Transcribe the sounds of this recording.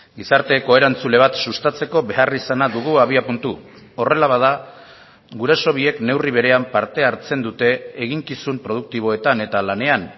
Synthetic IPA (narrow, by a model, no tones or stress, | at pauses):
ɡisaɾt̪e̞ko̞e̞ɾant͡sule̞β̞at̪sust̪at͡se̞ko̞βe̞arisanaðuɣuaβ̞iapunt̪u | o̞re̞laβað̞a | ɡuɾe̞so̞β̞ie̞kne̞wriβ̞e̞ɾe̞ampaɾt̪e̞aɾt͡se̞nd̪ut̪e̞ːɣiŋkisumpɾo̞ð̞uk̚t̪iβ̞o̞e̞t̪ane̞t̪alane̞an